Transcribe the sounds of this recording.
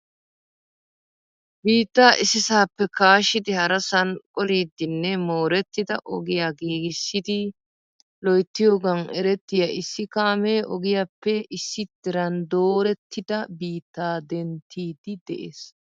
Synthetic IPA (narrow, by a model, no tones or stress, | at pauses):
biːt̪ːaːʔɪsɪsaːpːɛkaːʃɪd̪ɪhɐɾɐsɐnkʼɔliːd̪ːɪnːɛmo̞ːɾɛt̪ːɪd̪ɐ̰ʔɔɡɪjaːɡiːɡɪsːɪd̪ɪ | lɔjt̪ːɪjoːɡɐnɛ̰ɾɛt̪ːɪjɐɪsːɪkaːmeːʔɔɡɪjaːpːɛɪsːɪd̪ɪɾɐnd̪oːɾɛt̪ːɪd̪ɐbiːt̪ːaːd̪ɛnt̪ʰːiːd̪ɪd̪ɛʔḛːs